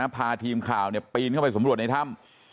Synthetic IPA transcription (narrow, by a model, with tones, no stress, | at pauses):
a˦˥pʰaː˧t̪ʰiː˧mkʰaː˨˩wni˥˩əpiː˧nkʰwpa˧sa˩˦mɾu˨˩ət̪̚na˧jt̪ʰa˥˩m